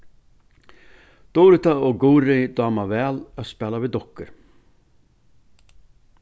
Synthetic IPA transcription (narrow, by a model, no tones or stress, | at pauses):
d̪̥ɔːɾɪt̪aɔɡuːɾɪd̪ɑːmavɛːlaðspɛːlavid̪ɔhkːʏɾ̥